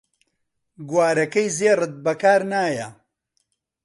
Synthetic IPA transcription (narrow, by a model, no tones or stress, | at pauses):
ɡwaːɾɐkɐjzeːrɨt̪̚bɐkaːɾnaːjɐ